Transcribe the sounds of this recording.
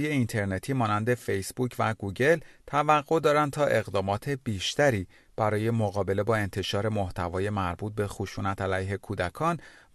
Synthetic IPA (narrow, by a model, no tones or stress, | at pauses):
je̞int̪ʰe̞ɾne̞t̪ʰiːmɒːnænd̪e̞fe̞jsb̥uːcʰvæɡuːɟe̞lt̪ʰævæɣːo̞d̪ɒːɾænd̪̚t̪ʰɒːʔe̞ɣd̪ɒːmɒːt̪ʰe̞biːʃt̪æɾiː | b̥æɾɒːje̞moɣɒːbe̞le̞bɒːe̞nt̪ʰe̞ʃɒːɾe̞mo̞ht̪ʰævɒːje̞mæɾbuːt̪̚be̞xoʃuːnæt̪ʰælæjɦe̞kʰuːd̪ækʰɒːn